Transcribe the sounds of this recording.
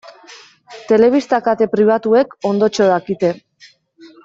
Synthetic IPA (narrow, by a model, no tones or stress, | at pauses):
t̪e̞le̞β̞ist̪akat̪e̞pɾiβ̞at̪ue̞ko̞nd̪o̞t͡ʃo̞ðakit̪e̞